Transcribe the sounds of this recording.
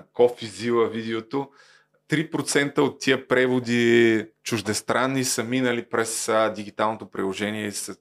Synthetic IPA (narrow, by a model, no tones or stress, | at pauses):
kɔfizivəvid̪ɛot̪o | t̪ɾipɾot̪sɛnt̪əot̪ːiəpɾɛvod̪it͡ʃʊʒd̪ɛst̪ɾanːisəminəlipɾɛsd̪iɡʲit̪alˠnot̪opɾḭlˠoʒɛniɛisə